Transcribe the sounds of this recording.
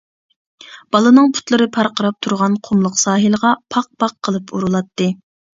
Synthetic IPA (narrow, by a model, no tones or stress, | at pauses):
b̥ɑlˠɨnɨŋpʰu̥t̪lˠɨɾɨpʰɑɾqəɾɑp̚t̪ʰuɾʁɑnqʰʊmlˠəqsɑːɦɨləʁɑpʰɑq̚pʰɑqʰːəlˠɨpʰuɾulˠɑt̪ːɨ